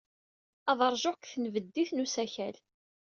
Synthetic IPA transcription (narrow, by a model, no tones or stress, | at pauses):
ɑðˤɑɾˤʒokθənvəd̪ːiθnusæçæl